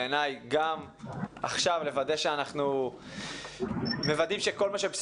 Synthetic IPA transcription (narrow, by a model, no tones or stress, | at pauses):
enajɡam | a̰χʃavle̞vad̪e̞ʃeanaχnu | me̞vad̪imʃe̞ko̞lmaʃebs